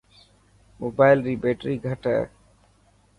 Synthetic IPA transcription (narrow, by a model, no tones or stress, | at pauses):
moːbaːɪlɾiːbeːʈɾiːɡʱəʈɛ̰ː